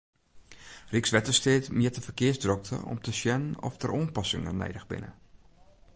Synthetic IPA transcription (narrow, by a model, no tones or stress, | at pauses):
riksʋɛtəsteːtmiətəfərkɪəsdrɔk̚tʰə̰ɔ̰mtʰəʃjɛnnɔ̰ftərʔoːnpɑsɪŋənḛjdəɣbɪ̰nə̰